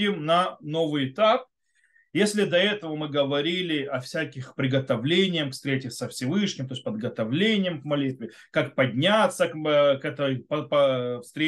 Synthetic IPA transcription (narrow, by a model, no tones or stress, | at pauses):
ɪmnɐno̞vɨjɪt̪ap̚ | jesʲlʲɪd̪ɐɛt̪əvəmɨɡəvɐɾʲilʲɪʔɐfsʲækʲɪxpɾʲɪɡət̪ɐvlʲenʲɪjəmkfst̪ʲɾʲetʲɪsəfsʲɪvɨʂnʲɪmt̪osʲtʲpəd̪ɡət̪ɐvlʲenʲɪjəmkmɐlʲit̪vʲɪ | kakpɐdʲnʲat̪sːəkkɛt̪əjpəpəfst̪ɾʲe